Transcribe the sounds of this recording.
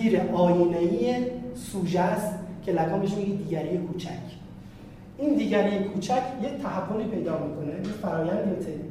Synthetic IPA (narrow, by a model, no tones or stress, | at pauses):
iːɾeʔɒːjineijesuːʒæst̪cʰe̞lækʰɒːmbeʃmiːjed̪iːɡæɾiːjekʰuːt͡ʃʰæcʰ | ʔiːnd̪iːɟæɾiːjekʰuːt͡ʃʰæcʰjec̚t̪ʰæɦævːoliːpʰe̞jd̪ɒːmiːkʰo̞nejefæɾɒːjænd̪imit̪ʰe